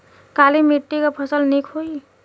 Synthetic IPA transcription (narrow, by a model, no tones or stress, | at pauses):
kalimiʈːikapʰəsəlnikʰɦoi